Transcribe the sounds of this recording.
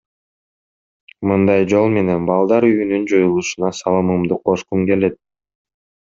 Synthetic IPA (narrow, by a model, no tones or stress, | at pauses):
mɯnd̪ɑjd͡ʒo̞lˠme̞ne̞nbɑlˠd̪ɑɾyːnynd͡ʒojulˠuʃunɑsɑlˠɯmɯmd̪uqʰo̞ʃqumke̞le̞t̪̚